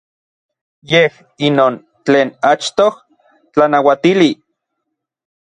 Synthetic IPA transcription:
jeh | inoːn | t͡ɬeːnat͡ʃt̪oh | t͡ɬanawat̪ili

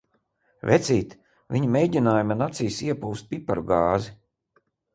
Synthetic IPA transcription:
vʲɛt̪sʲiːt̪ | vʲiɲimejɟʲinaːjumanat̪sijsiɛpuwst̪̚pipaɾuɡaːzi

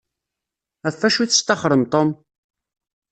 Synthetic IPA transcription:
æfːæʃiθə̥st̪ɑχɾˤəmt̪ˤom

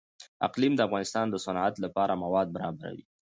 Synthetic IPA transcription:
a̰qlimd̪əafɣɑnɪst̪ɑnd̪əsanat̪lapɑɾamawɑd̪̚baɾɑbaɾa̰wḭ

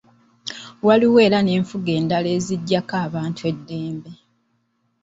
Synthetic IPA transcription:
waliwe̞ːɾane̞ːɱfuɡe̞ːndale̞ːziɟːakaːβaːntʰue̞dːe̞ːmbe̞

